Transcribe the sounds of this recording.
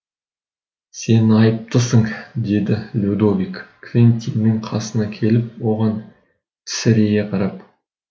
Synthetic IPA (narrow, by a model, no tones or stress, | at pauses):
se̞nɑjəp̚t̪əsəɴd̪e̞d̪ɪlʲud̪ovikkʰvʲint̪ʲinːɪɴqʰɑsənɑkʲʰe̞lɪp̚wo̞ʁɑn | t̪ʰɪ̥sɪɾejeqʰɑɾɑp̚